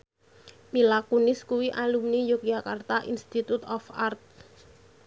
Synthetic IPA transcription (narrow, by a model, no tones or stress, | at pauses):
milakunɪskuwiʔalumnijokjakart̪aʔinst̪it̪ut̪ɔfart̪̚